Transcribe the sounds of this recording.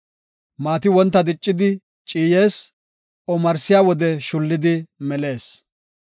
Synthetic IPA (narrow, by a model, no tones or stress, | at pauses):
maːt̪ɪwɔnt̪ːɐd̪ɪt͡ʃʼːɪd̪ɪ | t͡ʃʼiːje̞ːs | ɔmɐɾsɪjaːwɔd̪ɛʃʊlːɪd̪ɪmɛle̞ːs